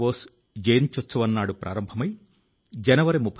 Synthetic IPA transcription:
oːs | d͡ʒɐjnt͡ʃot̪ːsɐʋɐnːaːɽupɾʔa̰ːɾɐmbʱɐmɐj | d͡ʒɐnɐʋɐɾimupʰː

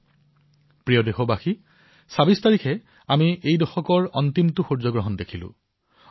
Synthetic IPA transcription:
pɹijɔdexɔbaxi | sabistaɹikʰɛ | amiʔejdɔxɔkɔɹɔntimtʊxuɹzɔɡɹɔɦɔndekʰilʊ̰̃

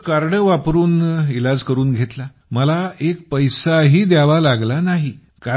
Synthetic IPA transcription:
kaɾɽəʋapɾuːnilad͡zkəɾuːnɡʱet̪la | məlaek̚pəjsaɦiːd̪jaʋalaɡlanaɦi | ka

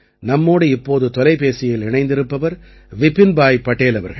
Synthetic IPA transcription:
nɐmːoːɽɯɪpːoːðɯt̪ɔlɐɪpeːsɪjɪlɪɳɐɪnd̪ɪɾɯpːɐʋɐɾ | ʋɪpːɪnbaːjpːɐʈːeːlɐʋɐɾɣɐ

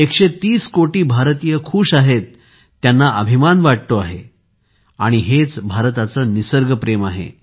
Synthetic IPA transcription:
ekɕet̪iːskoʈiːbʱaɾt̪ijəkʰuːʂaɦet̪ː | janːaʔəbʱimanʋaʈ̚t̪oa̰ɦḛ | a̰ɽ̃iɦet͡sbʱaɾt̪at͡sənisəɾɡəpɾemaɦḛ

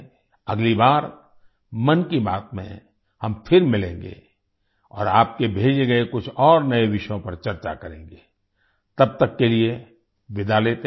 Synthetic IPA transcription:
ɐ̰ɡlibaːɾ | mɐnkiba̰ːt̪mḛ̃ | hɐmpʰɪɾmɪlẽːŋɡḛː | ɔ̰ːɾaːp̚kebʱeːd͡ʒeɡɐekʊt͡ʃʰɔːɾnɐeʋɪʃjõpɐɾt͡ʃɐɾt͡ʃa̰kɐɾḛ̃ːŋɡeː | t̪ɐb̚t̪ɐkːelie | ʋɪd̪aleːt̪e

